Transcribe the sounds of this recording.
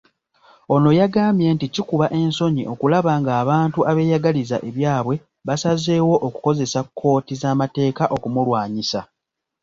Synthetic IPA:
o̞no̞jaɡaːmje̞nticikuβaʔe̞nso̞ɲiʔo̞kulaβaŋɡaːβaːntuʔaβe̞ːjaɡaliza̰ʔe̞βjaːβwe̞ | βasaze̞ːwo̞ʔoku̥ko̞ze̞sakkʰːo̞ːtizaːmate̞ːkaʔo̞kumulwaːɲisa

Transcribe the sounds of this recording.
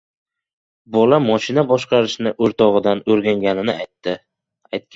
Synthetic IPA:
bɒlamɒʃɪnabɒʃqɑɾɪʃnɪʔoɾt̪ʰɒʁɨd̪anɵɾɡʲaŋɡʲanɪnɪat̪ːɪ | ajt̪̚kʲ

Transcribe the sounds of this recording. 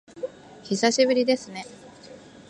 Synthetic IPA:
çisaɕibɯ̟ɾʲid̪e̞sɨne̞

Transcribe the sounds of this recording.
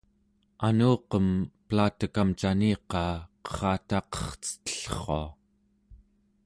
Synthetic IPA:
anuːqəmplaːt̪əkamt͡ʃaniːqɑːqə̥ʁɑːt̪ɑqʌ̥χt͡sə̥t̪ə̥ɬχoa

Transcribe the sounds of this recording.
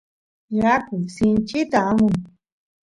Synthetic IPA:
jakʊjsɪnt͡ʃɪt̪aːmʊŋ

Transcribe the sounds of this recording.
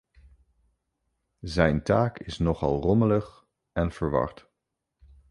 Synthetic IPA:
zɛjntaːkɪsnɔχɑ̰lˠrɔmələχ | ɛnv̥əɹʋɑ̰ɹt

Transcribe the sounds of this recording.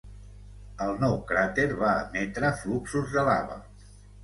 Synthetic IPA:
əlˠnɔwkɾat̪eɾβaə̰mɛt̪ɾəfluksuzðəlaβə̰

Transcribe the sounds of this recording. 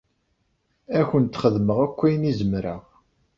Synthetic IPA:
æçənt̪ːχəðməʁækʷːæjnizəmɾæ

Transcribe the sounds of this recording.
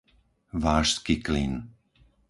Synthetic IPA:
ʋaːʃskiklin

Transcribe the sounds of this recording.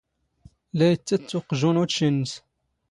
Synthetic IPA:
læjət͡sːæt͡sːʊqʒunuʃənːs

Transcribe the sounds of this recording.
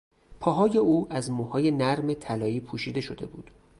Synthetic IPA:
pʰɒːɦɒːje̞uːʔæzmuhɒːje̞næɾme̞t̪ʰælɒːiːpʰuːʃiːd̪e̞ʃo̞d̪e̞̰bṵːd̪̥

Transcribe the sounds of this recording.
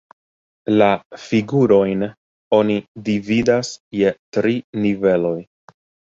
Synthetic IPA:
lafiɡuɾo̞jn | o̞nidividasje̞tɾinive̞lo̞j

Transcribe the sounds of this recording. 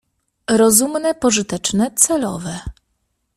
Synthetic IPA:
ɾɔzumnɛpɔʐɘt̪ɛt͡ʂnɛt̪sɛlɔ̰vɛ

